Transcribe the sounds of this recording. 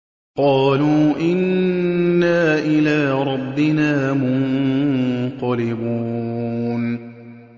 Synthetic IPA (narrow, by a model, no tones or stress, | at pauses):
qɑːluːʔɪnː | aːʔɪlaːɾˤɑbːɪnaːmʊn | qɑlɪbuːn